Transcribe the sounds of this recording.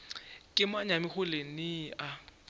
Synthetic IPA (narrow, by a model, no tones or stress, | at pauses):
kʼɪmaɲamɪxʊlenɪʔa